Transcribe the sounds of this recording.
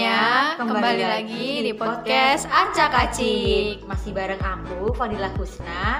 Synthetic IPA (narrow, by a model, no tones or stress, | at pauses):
akəmkəbabalilaɡidipɔɔt̪̚kkɛsat͡ʃakat͡ʃimasɪhbaɾəŋaŋbufadilakusna